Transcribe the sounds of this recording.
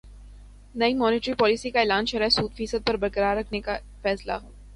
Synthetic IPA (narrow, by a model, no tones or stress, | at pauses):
nɐimɔːnɪːʈɾipɔːlisikaeːlaːnʃɐɾasuːd̪fiːsəd̪̚pɐɾbɐɾkəɾaːɾɾɐkʰneka | fɛːsla̰ɦoː